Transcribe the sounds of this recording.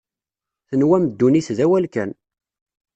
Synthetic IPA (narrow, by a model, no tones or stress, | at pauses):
θənwæməd̪ːuniθðæwælkæ̰n